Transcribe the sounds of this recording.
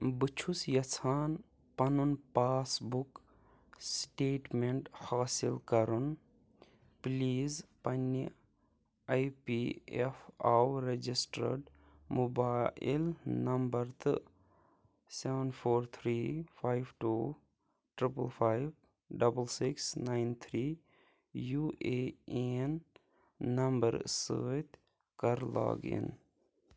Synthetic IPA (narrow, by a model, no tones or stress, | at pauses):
bɨt͡ʃʰusjɐt͡sʰaːn | pɐnunpaːsbuk | sʈeːʈmeɳʈhaːsilkɐɾun | pliːzpɐni | ajpiefawɾed͡ʒisʈə̰ɾɖ | mubaːḭlnɐmbəɾt̪ɨ | seʋənpʰoːɾt̪ʰɾiːfʰaːjɪʋʈuː | ʈɾɪpəlpʰaːjb | ɖɐbəlsɪksnaɪnt̪ʰɾiː | juːʔeenː | ɐmbəɾsə̰ːjt̪ | kəɾla̰ːɡḭn